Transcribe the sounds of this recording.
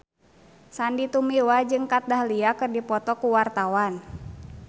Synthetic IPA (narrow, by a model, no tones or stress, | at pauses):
sandit̪umiwad͡ʒɨŋkat̪̚dahliakɨrdipɔt̪ɔkuwart̪awan